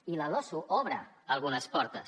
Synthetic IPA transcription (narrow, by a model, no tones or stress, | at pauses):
iləlɔsuʔɔβɾə̰ | əlˠɣunəspɔɾt̪əs